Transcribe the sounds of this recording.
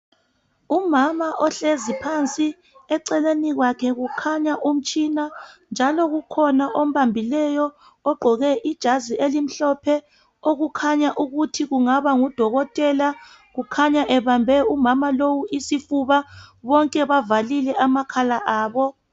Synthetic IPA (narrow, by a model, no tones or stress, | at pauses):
umamaʔɔɬezipʰant͡sʼi | ɛǀɛleniɣwakʰɛɣukʰaɲaʔum̩t͡ʃʼinand͡ʒʱalɔɣukʰɔnaʔom̩βambʱilɛjɔ | ɔɡ͡ǃʱɔɣɛʔid̥ʒ̥ʱazielim̩ɬɔpʰɛ | oɣukʰaɲaʔuɣutʰiɣuŋaβaŋud̥ʱɔɣɔtʼɛla | ɣukʰaɲaʔɛβambʱɛumamalowuʔisifuβaβɔŋkʼɛβavalilɛʔamakʰalaʔaːβɔ